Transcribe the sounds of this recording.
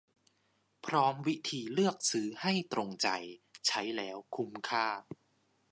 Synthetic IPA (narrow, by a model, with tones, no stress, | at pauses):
pʰɾɔː˦˥mwi˦˥t̪ʰiː˧lɯ˥˩ək̚sɯː˦˥ha˥˩jt̪ɾo˧ŋt͡ɕa˧jt͡ɕʰa˦˥jlɛː˦˥wkʰu˧mkʰaː˥˩